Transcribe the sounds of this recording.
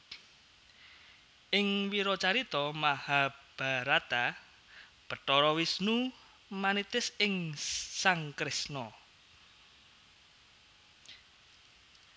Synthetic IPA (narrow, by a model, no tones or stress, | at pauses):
ʔɪŋwiɾɔt͡ʃaɾit̪ɔmahab̥a̤ɾat̪a | b̥ə̤ʈ̪ɔɾɔwisnu | manit̪ɪsɪŋsaŋkɾɪsnɔ